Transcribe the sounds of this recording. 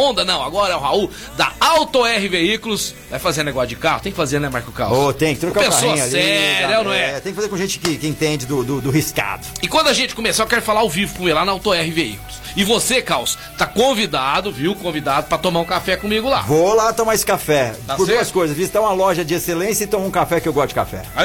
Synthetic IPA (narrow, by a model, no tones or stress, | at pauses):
õnd̪ɐnɐ̃w̃a̰ɡɔɾɐɛʊɦau | d̪ɐawt̪oɛɦɪveikʊlʊsvajfazeɾneɡɔsʊd͡ʒɪkahʊ̥t̪ẽj̃kɪfazeɾnɛmaɾkʊka̰wsot̪ẽj̃kɪt̪ɾokapesaoɐĩɲsiɛɾnɐ̃w̃ɛɛt̪ẽkɪfazeɾkõʒẽt͡ʃɪ̥kɪkɪẽt̪ẽd͡ʒɪd̪ʊd̪ʊd̪ʊɦiska̰d̪ʊɪkwɐ̃nd̪ʊɐʒẽnt͡ʃɪ̥kõmesoekɛɾʊfalaawvivʊkõmilanɐawt̪oɛhɪveḭkʊlʊs | ɪvosekaws | t̪akõvid̪ad̪ʊviwkõvid̪ad̪ʊpɾɐt̪õmaɾũkafɛkõmiɡʊla̰volat̪õmaɾesɪ̥kafɛapʊɾsd̪uɐskojzɐsvizit̪ɐ̃ũɐlɔʒɐd͡ʒɪeselẽsjɐɪt̪õmõũkafɛkɪewɡɔst̪ʊd͡ʒɪka̰fɛ̰a